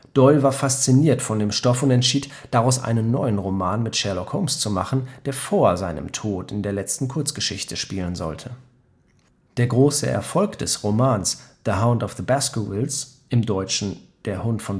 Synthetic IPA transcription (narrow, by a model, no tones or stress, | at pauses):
d̥ɔʏlvaːɐfast͡siniːɐtfɔndeːmʃtɔfʊntɛntʃiːt | d̥aʁaʊsʔa̰ɪnənːɔʏənʁomaːnmɪtʃɛɐlɔkhoʊmst͡sumaχn̩d̥eːɐfoːɐzaɪnə̰mtʰoːtɪndeːɐlɛt͡stn̩kʰʊɐt͡sɡ̥əʃɪçtʰəʃpiːlənzɔ̰ltʰə | d̥eːɐɡʁoːsə̰ʔɛ̰ɐfɔlkd̥ɛsʁomaːnsðəɦaʊ̃ndɔfðəbaskəvɪls | ʔɪmdɔʏt͡ʃn̩ | d̥eːɐhʊntfɔn